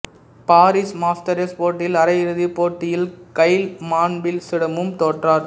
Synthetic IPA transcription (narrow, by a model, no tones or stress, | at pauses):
paːɾismaːsʈɐɾespoːʈːɪlɐɾɐjɪɾɯðipːoːʈːɪjɪlkɐɪlmaːɳbɪlsɪɽɐmɯmt̪oːʈraːɾ